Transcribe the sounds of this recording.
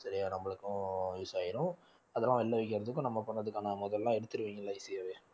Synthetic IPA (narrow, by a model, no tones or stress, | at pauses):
sɐɾɪjaːnɐmːɐɭɯkːʊ̃ɪsaːjɪɾʊ̃ | ɐðɛlːãːʋɛlːɐʋɛɪkːɪɾɐðɯkːʊ̃nɐmːɐpɐɳːɾɐðɯkːaːnɐmɔðɐlːãːɛɽɯt̪ːɯɾɯʋiːŋɡɐlãːisɪjaːʋeː